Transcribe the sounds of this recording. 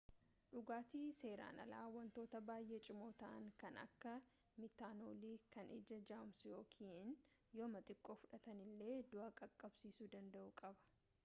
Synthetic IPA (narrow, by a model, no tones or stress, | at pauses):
ᶑʊɡaːt̪iːse̞ːɾa̰ːnɐ̰la̰ːwɐnt̪o̞ːt̪ɐbaːjʔeːt͡ʃʼɪmo̞ːt̪ɐʔɐ̰ŋkɐnɐ̰kːɐ | mɪt̪ːaːno̰ːliːkɐned͡ʒɐd͡ʒaːmsjoːkʰiːɪn | joːmɐt̪ʼɪkʼːo̞ːfʊᶑɐt̪ɐnɪlːe̞ːd̪ʊʔaːkʼɐkʼːɐbsiːsuːd̪ɐnd̪ɐʔukʼɐbɐ̥